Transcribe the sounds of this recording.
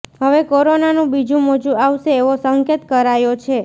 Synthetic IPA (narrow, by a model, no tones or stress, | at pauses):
ɦəʋekoɾonanũbid͡ʒũmod͡ʒũaʋʃeːʋosəŋket̪kəɾajot͡ʃʰe